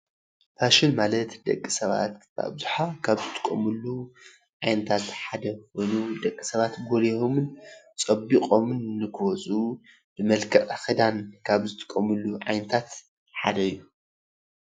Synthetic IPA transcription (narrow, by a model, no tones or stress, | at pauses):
pʰaʃɪnmalɐt̪d̪ɐ̰kʼːisɐβa̰t̪b̥a̰bzuħakʰaβzɨt̪ʰʼɨ̥kʼːɐ̰mɨlːu | ʕajnɐt̪ʰat̪ħad̪ɐxojnud̪ɐkʼːi̥sɐβat̪ɡolehomɨnt͡sʼɐbiqʼo̞mɨnːɨkʰɨwɔt͡sʼu | b̥ɨmɐlkʰɐʔaxid̪ankʰaβzɨt̪ʼɨ̥kʼːɐmɨlːuʕajnɐt̪ʰat̪ | ħad̪ɐɨjːu